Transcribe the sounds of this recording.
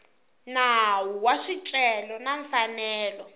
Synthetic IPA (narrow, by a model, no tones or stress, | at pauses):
nawuwaʂit͡ʃʼɛlɔnaɱfanɛːlɔ